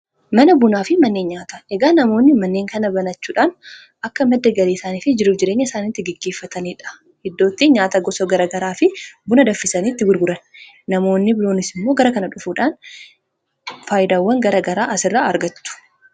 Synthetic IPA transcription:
mɐnɐbʊnaːfɪmɐnːeːɲɲaːt̪ɐʔɛɡaːnɐmo̞ːnːɪmɐnːe̞ːŋkɐnɐbɐnɐt͡ʃːuːᶑaːn | ʔɐkːɐmɛd̪ːɐɡɐliːsaːniːfɪd͡ʒɪɾʊfd͡ʒɪɾeːɲːɐɪsaːniːt̪ːɪɡɛɡːe̞ːfːɐt̪ɐniːᶑɐ̥ | hɛd̪ːo̞ːt̪ːiːɲaːt̪ɐɡɔsɐɡɐɾɐɡɐɾaːfɪbʊnɐd̪ɐfːɪsɐniːt̪ːɪɡʊɾɡʊɾɐn | nɐmo̞ːnːɪbɪloːnɪsɪmːoːɡɐɾɐkɐnɐᶑʊfuːᶑaːn | faːjɪd̪aːwːɐŋɡɐɾɐɡɐɾaːʔɐsɪrːaːɐɾɡɐt̪ːʊ̥

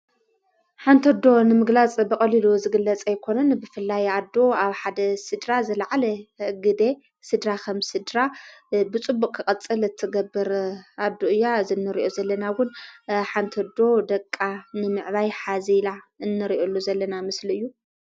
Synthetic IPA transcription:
ħant̪ʰɐd̪o̞nɨmɨɡlat͡sʼbɨkʼɐliluzɨɡɨlːɐt͡sʼajkʰo̞nɐnbɨfɨlːajad̪ːo̞aβħad̪ɐsɨd̪ɾazɐlʕalɐɡɨd̪e̞ | sɨd̪ɾakʰɐmsɨd̪ɾabɨt͡sʼɨbːukʼkʰɨkʼɐt͡sʼɨlɨt̪ʰːɨɡɐbːɨɾʔad̪oɨjːazɨnːɨɾiʔo̞zɐlːɐnawʊnħant̪ʰɐd̪o̞d̪ɐkʼːanɨmɨʕβajħazilaɨnːɨɾiʔolːuzɐlːɐnamɨsliɨjːu

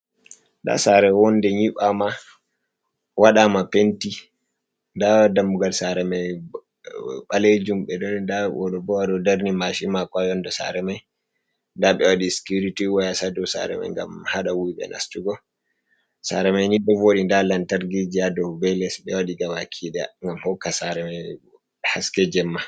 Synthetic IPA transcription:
nda̰saɾɛwɔndɛɲiɓama | waɗamapenti | ndadamːuɡalsaɾɛmaj | ɓaled͡ʒumɓɛɗɔndawʔɔ̰ɗɔbɔwaɗɔdaɾnimaʃimakajɔndɛsa̰ɾɛmaj | ndaɓɛwaɗiskuɾitiwajasadɔsa̰ɾɛ̰ma̰jŋɡa̰mhaɗawiɓɛ̰nʔa̰stuɡɔ | sa̰ɾɛmajnidːɔvoɗindalantaɾɡid͡ʒiadɔbɛlɛsɓɛwaɗiɡamakʰiɗɛ̰ŋɡamhɔkːasaɾɛmaj | haskɛd͡ʒɛmːa

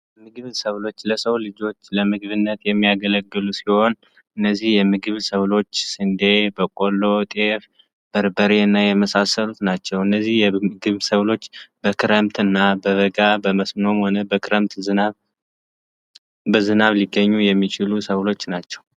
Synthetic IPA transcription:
jmɨɡɨβsəβlo̞t͡ʃːləsəwlɨd͡ʒo̞t͡ʃːləmɨɡɨβɨnːət̪jɛmːijaɡələɡːɨlusiho̞n | ʔɨnːəzːihjɛmɨɡɨβsəβlo̞t͡ʃːsɨnd̪e̞bəkʼo̞lːo̞t̪ʼef | b̥əɾbəɾeɨnːajɛməsasːəlut̪nat͡ʃːɛwɨnːəzːihjɛmɨɡɨβsəβlo̞t͡ʃːbəkʰɨɾəmt̪ɨnːabəβəɡabəməsmɨno̞mho̞nəbəkʰɾəmt̪ | bəzɨnaβliɡːəɲːujɛmːit͡ʃɪlusəwlo̞t͡ʃːnat͡ʃːɛw

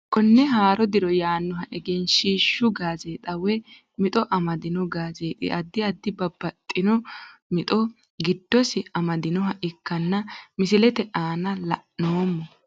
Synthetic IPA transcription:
kɔnːɛɦaːɾɔd̪ɪɾɔjaːnːɔɦɐʔɛɡɛnʃiːʃːʊɡaːzeːt̪ʼɐwɛ | mɪt̪ʼɔʔɐmɐd̪ɪnɔɡaːze̞ːt̪ʼɪ̰ʔɐd̪ːɪɐd̪ːɪbɐbːɐt̪ʼːɪnɔmɪt̪ʼɔ | ɡɪd̪ːɔsɪɐmɐd̪ɪnɔɦɐʔɪkːɐnːɐmɪsɪlɛt̪ɛʔaːnɐlɐʔnoːmːɔ

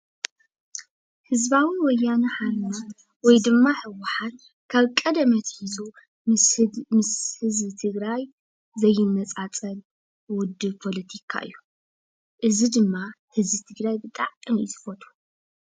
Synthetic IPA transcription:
hɨzbawɨnwɔjːanɨħaɾnat̪ | wɔjd̪ɨmːaħɨwʊħat̪ | kʰaβkʼɐd̪ɐmɐt̪hizʰu | mɨshɨzbɨt̪ʰɨɡɾaj | zɐjːɪnːɐt͡sʼat͡sʼɐl | wʊd̪ːɨβpʰo̞lɐt̪ʰikʰa̰ʔɨ̰jːu | ʔɨzid̪ɨmːa | hɨzbɨt̪ʰɨɡɾajbɨt̪ʼa̰ʕɨmjɪt̪ʰɨ̥fot̪ʰu̥

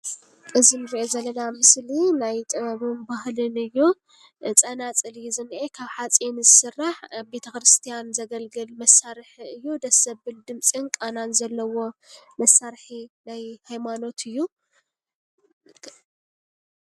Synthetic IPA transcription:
ʔɨzinɨɾiʔezɐlːɐnamɨslinajt̪ʼɨβɐβunbahlɨnɨjːu | t͡sʼɐnat͡sʼɨljizɨnʔekʰaβħat͡sʼenzɨsɨrːaħbe̞t̪ʰɐkɾɨst̪ʰijanzɐɡɐlɡɨlmɐsːaɾħɨjːud̪ɐsɐbbɨld̪ɨmt͡sʼinkʼananzɐlːɐwo̞mɐsaɾħinajhajmano̞t̪ʰɨjːu

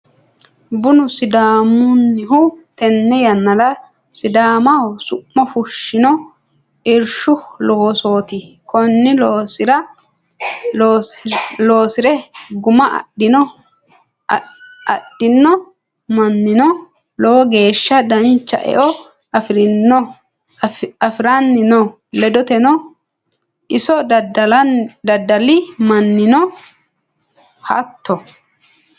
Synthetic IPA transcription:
bʊnʊsɪd̪aːmʊnːɪɦʊt̪ɛnːɛjɐnːɐlɐ | sɪd̪aːmɐsʊʔːɔfʊʃːɪnɔ | ʔɪɾʃʊlowːso̞ːt̪ɪ | kʰɔnːɪloːsɪɾɐ | lo̞ːsɪɾɛɡʊmɐɐ̰ɗɪnɔ | ɐ̰ɗɪnːɔ | mɐnːɪnɔ | lɔwɔɡe̞ːʃːɐd̪ɐnt͡ʃːɐ̰ʔɛ̰ʔɔ | ɾnːɔ | ɐfɪɾanːɪnɔ | lɛd̪ɔt̪ɛnɔ | ɪsɔ | d̪ɐd̪ːɐlɪmɐnːɪnɔ | hɐt̪ːɔ

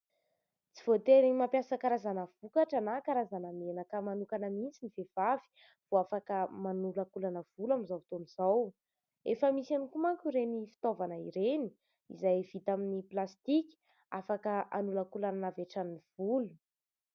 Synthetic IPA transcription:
t͡si̥v̥ot̪eɾiɲimampjasakaɾazanəv̥ukaʈ͡ʂanakaɾazanamenəkəmanukanəmint͡sinivev̥avi̥ | v̥oafakəmanulakulanəv̥ulamizat̪oniz̥aw | efəmisanikumaŋkʲuɾenifi̥t̪ovanəiɾeni̥ | ḭzajv̥it̪aminiplast̪ikʲi̥ | afakəʔanulakulananaveʈ͡ʂaniv̥ulu̥

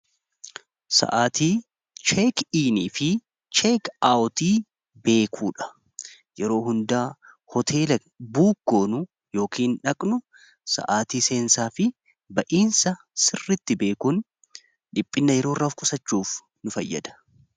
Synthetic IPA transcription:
sɐ̰ʔaːt̪iː | t͡ʃeːkiːniːfɪ | t͡ʃeːkawʊt̪iː | be̞ːkʰuːᶑɐ̥ | jɛɾo̞ːhʊnd̪aː | hɔt̪ʰeːlɐ | buːɡ̥ːoːnʊ | jo̞ːkʰiːnᶑɐkʼnʊ | sɐ̰ʔaːt̪iːse̞ːnsaːfɪ | bɐʔiːnsɐ | sɪrːɪt̪ːɪbe̞ːkuːn | ᶑɪpʼːɪnːɐjɛɾoːrːɐfkʼʊsɐt͡ʃːuːf | nʊfɐjːɐ̰d̪ɐ̥

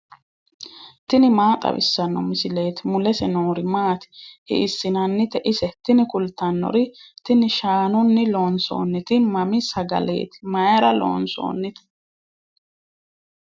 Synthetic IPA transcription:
t̪ɪnɪmaːt̪ʼɐ̰bɪ̰sːɐnːɔmɪsɪle̞ːt̪ɪmʊlɛsɛnoːɾɪmaːt̪ɪ̥hɪ̰ʔɪsːɪnɐnːɪt̪ɛʔɪsɛt̪ɪnɪkʊlt̪ɐnːɔ̰ɾɪt̪ɪnɪʃaːnɔnːɪlo̞ːnso̞̰ːnːɪt̪ɪmɐmɪsɐɡɐ̰le̞̰ːt̪ɪ̥mɐjɐɾɐlo̰ːnso̰ːnːɪt̪ɪ̥

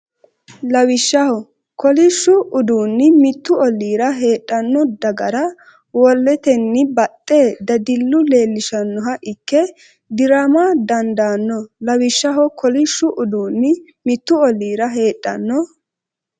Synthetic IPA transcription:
lɐwɪʃːɐhɔ | kɔlɪʃːʊʊd̪uːnːɪmɪt̪ːʊɔlːiːɾɐɦe̞ːᶑʼːɐnːɔd̪ɐɡɐɾɐ | wɔlːɛt̪ɛnːɪbɐt̪ʼːe̞ːd̪ɐd̪ɪlːʊle̞ːlːɪʃɐnːɔɦɐʔɪkːɛ | d̪ɪɾaːmad̪ɐnd̪aːnːɔlɐwɪʃːɐɦɔkɔlɪʃːʊʔʊd̪uːnːɪ | mɪt̪ːʊɔlːiːɾɐɦe̞ːtʼːɐ̰nːɔ

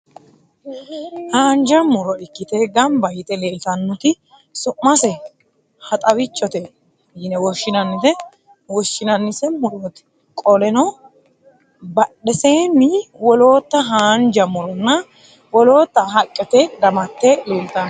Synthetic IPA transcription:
haːnd͡ʒɐmʊɾɔɪkːɪt̪eɡɐmbɐjɪt̪ɛle̞ːlt̪ɐnːʊt̪ɪ | sʊmːɐsɛ | hɐt̪ʼɐwɪt͡ʃːɔt̪ɛ | jɪnɛwɔʃɪnɐnːɪt̪ɛ | wɔʃːɪnɐnːɪsɛmʊɾoːt̪ɪ̥ | kʼɔlɛnɔ | bɐɗɛseːnːɪwɔlo̞ːt̪ːɐɦaːnd͡ʒɐmʊɾɔnːɐ | wɔlo̞ːt̪ːɐɦɐkʼːɛt̪ɛd̪ɐmɐt̪ːele̞ːlt̪an

